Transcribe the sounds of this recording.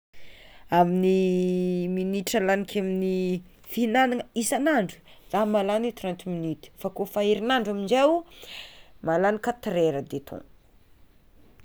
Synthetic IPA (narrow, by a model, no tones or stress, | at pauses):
amini | miniʈ͡ʂalanikʲʰamini | finaniŋəisanaɳɖ͡ʐu̥zamalanit̪rant̪iminit̪i̥fakofaiɾinaɳɖ͡ʐamiɳd͡ʒew | malanikat̪ɾeɾəd̪et̪ʰõ̰n